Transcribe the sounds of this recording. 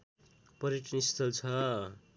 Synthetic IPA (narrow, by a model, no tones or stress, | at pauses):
pʌɾiʈʰʌnist̪ʰʌlt͡sʰʌ